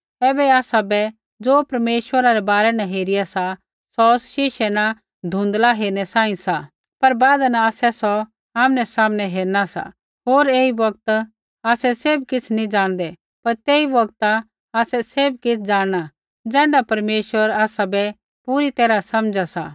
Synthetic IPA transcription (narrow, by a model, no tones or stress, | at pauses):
ɛːbɛaːsabɛ | d͡zoːpɐɾmeːʃwəɾaɾɛbaːɾɛnaɦeːɾɪjasa | sɔʊsʃɪʃɛna | d̪ʱũːnd̪laɦeːɾnɛsãːĩsa | pɐɾbaːd̪anaaːsɛsɔ | aːmnɛsaːmnɛɦeːɾnasa̰ | ɦoːɾeːibɐɡt̪ | aːsɛseːbkɪt͡sʰnĩd͡ʒaːɽ̃d̪ɛ | pɐɾt̪eːiʋɐɡt̪a | aːsɛseːbkɪt͡sʰd͡zaːɽɽ̃a | d͡zɛ̃ːɳɖapɐɾmeːʃʋəɾaːsabɛ | puɾit̪ɛːɾasɐmd͡ʒasa̰